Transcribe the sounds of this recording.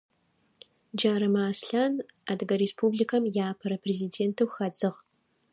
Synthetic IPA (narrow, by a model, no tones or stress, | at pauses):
d͡ʒaːɾɐmaːsɬaːnadɨɡɐɾespʰublikʰɐmjaːpʰɐɾɐpʰreziːdeːntʰɨwxɐd͡zɨʁ